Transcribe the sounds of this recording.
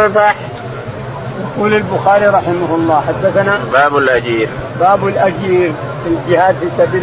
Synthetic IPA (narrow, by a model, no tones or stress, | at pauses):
fɑħ | jɑquːlalbʊxaːɾiɾˤɑħɪmaɦʊlˤːɑːħad̪ːaθanabaːbalʔad͡ʒiːɾbaːbalʔad͡ʒiːɾ | fild͡ʒɪhaːd̪fiːsabiːl